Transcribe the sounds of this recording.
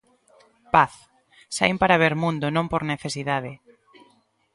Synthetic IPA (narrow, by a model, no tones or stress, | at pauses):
paθ | sajmpaɾaβ̞eɾmũnd̪onõmpoɾneθesiðað̞e